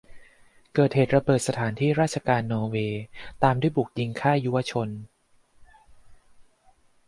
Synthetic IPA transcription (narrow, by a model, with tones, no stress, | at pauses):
kɤː˨˩t̪̚heː˨˩t̪̚ɾa˧bɤː˨˩t̪̚sa˧t̪ʰaː˩˦nt̪ʰiː˥˩ɾaː˥˩t͡ɕʰa˧kaː˧nːɔː˧weː˧t̪aː˧mdu˥˩jbu˨˩k̚ji˧ŋkʰaː˥˩ju˦˥wa˧t͡ɕʰo˧n